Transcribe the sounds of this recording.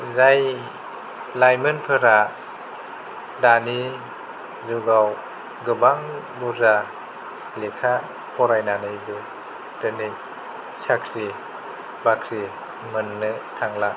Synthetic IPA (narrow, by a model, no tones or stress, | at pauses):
zaj | lajmɯnpʰɯɾa | dani | zɯɡaw | ɡɯbaŋ | buza | lekʰa | kʰɔɾajnanɯjbɯ | d̥ɯne | sakʰɾi | bakʰɾi | mɯnːɯt̪ʰaŋla